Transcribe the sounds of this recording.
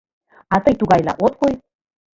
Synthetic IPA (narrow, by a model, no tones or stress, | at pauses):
ɑt̪əjt̪uɣɑjlɑ̰ʔot̪̚koj